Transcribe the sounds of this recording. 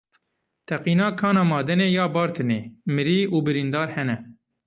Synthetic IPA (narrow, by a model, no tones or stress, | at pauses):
t̪ʰɛqiːnɑːkʰɑːnɑːmɑːd̪ɛneːjɑːbɑːɾt̪ʰɨneːmɨɾiːʔuːbɨɾind̪ɑːɾhɛnɛ